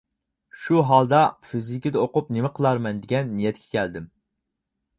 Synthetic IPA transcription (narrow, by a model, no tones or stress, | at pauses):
ʃuɦɑlˠd̪ɑfyzikʲid̪ɛoqʊpnemɪqʰəlˠɑɾmɛnd̪ɪɡʲɛnːijɛt̪̚kʲʰɛ̥kʲʰɛld̪ɪm